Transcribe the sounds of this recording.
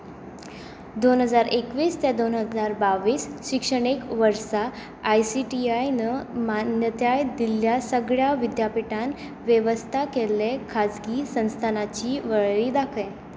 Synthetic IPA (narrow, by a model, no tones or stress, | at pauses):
d̪onɦəd͡zaɾʔekʋiːst̪jad̪onɦəd͡zaɾbaʋiːsɕikʂəɽ̃ekʋəɾsa | ajsiʈiajnəmanjət̪jajd̪iljasəɡɭjaʋid̪japiʈan | ʋjeʋəst̪ʰakelekʰad͡zɡiːsə̃w̃st̪ʰanat͡ɕiːʋəɭɭiːd̪akʰəj